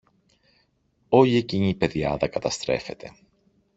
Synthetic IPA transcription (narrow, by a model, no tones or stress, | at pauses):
o̞ʎie̞ciɲipe̞ðjɐ̰ðɐkɐt̪ɐst̪ɾe̞fe̞t̪e̞